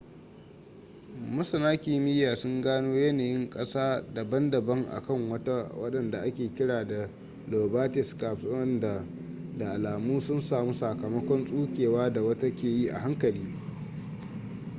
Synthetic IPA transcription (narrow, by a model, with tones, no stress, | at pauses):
mɐ˦sɐ˨naː˦kʲi˨˦mɪ˦jːaː˨sʊ˦ŋɡaː˦noː˦jɐ˦naː˨jɪ˦ŋkʼɐ˦saː˦da˨bɐ˦ndɐ˨bɐ˦ŋʔa̰˨kɐ˦˨ŋwɐ˦ta˦wɐ̰˦ɗɐ˨nda˨ʔa˦kʲeː˨kʲɪ˦ɽaː˨da˨ | loː˨baː˦tɪ˨skaː˨psʊ˦ɐ˦nda˨ | da˨ʔa˨laː˨muː˦sʊ˦nsaː˨mu˦sa˨kɐ˨mɐ˦kʷɔ˦nsʼuː˦kʲeː˨waː˦da˨wɐ˦ta˦kʲeː˨ji˦ʔa̰˨ha˦ŋkɐ˨liː˦